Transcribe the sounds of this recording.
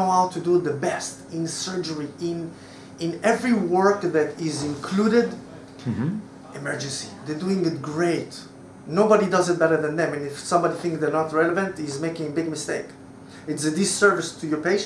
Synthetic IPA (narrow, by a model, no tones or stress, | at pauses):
aʊtʰuduðəbɛstɪ̃nsɜ˞d͡ʒə˞iɪ̃n | ɪ̃nɛvɹiwɜ˞kðæɾɪzɪ̃nkʰluɾɪd | ʔɨmɜ˞d͡ʒɨ̃nsḭðəduɪ̃ŋɪt̚ɡɹeɪt | nobɑɾidʌzɨt̚bɛɾə˞ðɛ̃nðɛ̃mɨ̃nɪfsʌ̃mbɑɾiθɪ̃ŋkðə˞nɔtɹɛləvə̃ntɪzmeɪkɪ̃ŋəbɪɡ̚mɪsteɪk | ɨtsɨdɪsɜ˞vɪstʰujɔ˞peɪʃ